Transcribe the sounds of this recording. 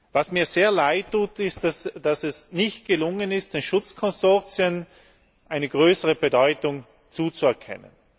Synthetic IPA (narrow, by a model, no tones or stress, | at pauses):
vasmiːɐzeːɐlaɪtʰːuːtɪstasd̥asɛsnɪçt̚ɡ̥əlʊŋənɪst̚d̥eːnʃʊt͡skʰɔnzɔɐt͡sjən | ʔaɪnəɡʁøːsəʁəbedɔʏtʊŋ | t͡suːt͡suɛɐkʰɛ̰nə̰n